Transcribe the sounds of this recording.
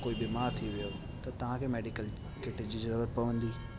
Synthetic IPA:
koːibiːmaːɾt̪ʰiʋijo | t̪ɐt̪ɐʋ̤ãkʰemeːɖikəl | keʈed͡ʑiːzɐɾɾuəɾpɐʋə̃nd̪iː

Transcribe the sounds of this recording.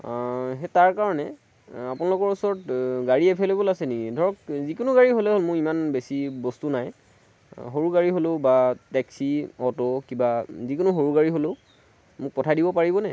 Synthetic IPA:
ɦɛtaɹkaɹɔnɛ | apunalʊkɔɹusɔɹɔtɡaɹiɛpʰɛlobolasɛnikidʱɔɹɔkzikʊnʊɡaɹiɦolɛɦolmʊɹimanbesibɔstunaj | ɦoɹuɡaɹiɦolobatɛksiɔtɔkibazikʊnʊɦoɹuɡaɹiɦoloʊ | mʊk̚pɔtʰajdibɔpaɹibɔnɛ

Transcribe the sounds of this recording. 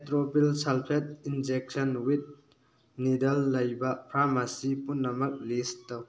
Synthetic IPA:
tɾopilsalpʰet̚ind͡ʒek̚sɐnwit̚ | nidɐlːɐjbɐpʰɾamasipunːɐmɐk̚listɐw

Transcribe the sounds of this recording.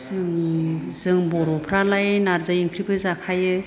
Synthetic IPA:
zɯŋzɯŋbɔɾɔpʰɾalajnaɾzajiŋkʰɾipʰɯzakʰajɯ

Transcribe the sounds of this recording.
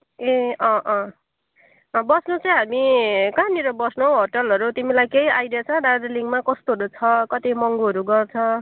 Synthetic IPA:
eʌʔʌ̃ | bʌsnot͡sʌj̃ɦamikaniɾʌbʌsnõɦorʈʌlʌɾut̪imilajkejajɾʌt͡sʰʌ̃ɖaɖliŋɡmakʌst̪oʌɾut͡sʰʌkʌt̪imʌŋɡuɦʌɾuɡʌrt͡sʰʌ

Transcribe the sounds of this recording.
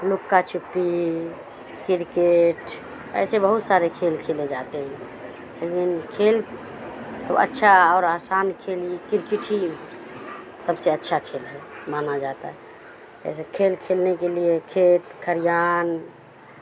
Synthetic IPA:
lʊkːat͡ʃʰupːi | kɪɾkeʈ | ɛ̰sebəɦut̪saɾekʰelkʰeled͡ʒat̪eɦɛ̃ | lekinkʰel | t̪oə̰tːʃʰaɔːɾasaːnkʰelikɪɾkiʈʰi | səbseətːʃʰakʰelɦɛmanad͡ʒat̪a̰ɦɛ | ɛ̰sekʰelkʰelnekeliekʰeːt̪kʰəɾjaːn

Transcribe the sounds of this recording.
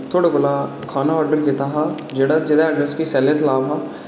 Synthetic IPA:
t̪ʰoːɽaːkʊlaː | kʰaːnaːɔːɾɖəɾkɪt̪aɦãː | d͡ʒeːɽaːd͡ʒɪd̪aːɛɖɾɛskisɛːlət̪laːʋɦãː

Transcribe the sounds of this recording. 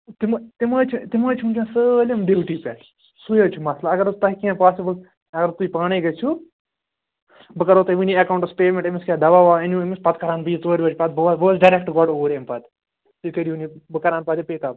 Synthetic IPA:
t̪imt̪imɐːt͡ʃʰit̪imaːt͡ʃʰimũnt͡ʃãsəlʲɐmɖiʋʈiːpʲɛːʈ | sujɐːt͡ʃʰumɐslaɐɡɐɾt̪ɐɦkiãpaːsibəl | ɐɡɐɾt̪uipaːɽ̃iɡɐt͡ʃʰu | bɨkɐɾoːt̪ɐʋiniɐkaːwɳʈɐspeːmẽɳʈemiskʲaːd̪ɐʋaːʋaːɐnuemispɐt̪̚kɐɾaːnbiːt̪oːɾʋɐt͡ʃpɐd̪̚bɐʋbosɖɐɾek̚ʈɡɔːɖoːɾʲempɐt̪ | t̪uikɐɾiʋunibɨkɐɾaːnpɐːd̪ipeːt̪aː

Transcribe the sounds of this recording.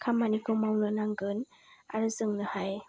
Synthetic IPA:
kʰamanikʰɯwmawnɯnaŋɡɯn | a̰ɾɯzɯŋnɯhaj

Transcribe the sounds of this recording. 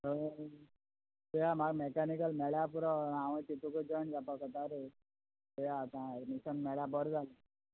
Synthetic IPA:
ɦə | t̪ujamaɡmekanikəlmɛɭjapuɾɔaʋə̃t̪it̪ukəd͡ʑəɳd͡zapakət̪aɾe | t̪ujat̪ãmisənmɛɭjabəɾd͡zʱalə

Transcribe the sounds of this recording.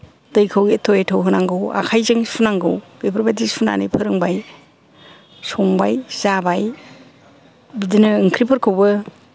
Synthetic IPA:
dɯjkʰɯwɡitʰoetʰowɦɯnaŋɡɯwa̰kʰajzeŋsunaŋɡɯwɡɯjpʰɯɾbadisuna̰nḭjpʰɯɾɯŋbaj | sɔŋbajz̥abaj | bidinɯɯŋkʰɾipʰɐɾkʰɯwbɯ

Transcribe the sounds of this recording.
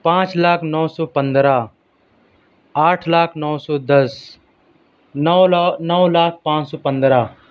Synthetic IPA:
pãːt͡ʃlaːkʰnɔːsɔːpə̃nd̪ɾaː | aːʈʰlaːkʰnɔːsɔːd̪əs | nɔːlaːk̚ʰpãːt͡ʃsɔːpə̃nd̪ɾaː

